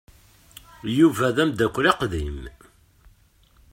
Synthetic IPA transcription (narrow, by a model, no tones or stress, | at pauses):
juvæðæmd̪ækʷːɾeqðim